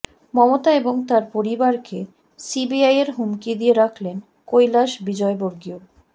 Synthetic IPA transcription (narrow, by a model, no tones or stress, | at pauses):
mɔmot̪aeboŋt̪aɾpoɾibaɾke | sibiajeɾɦumkid̪ijeɾakʰlen | kojlaʃbid͡ʑɔeboɾɡio